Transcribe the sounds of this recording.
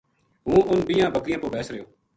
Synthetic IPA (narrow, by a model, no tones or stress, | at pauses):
ɦũːʊnbijãːbʱəkɾɪjãːpoːpɛːsɾəjoː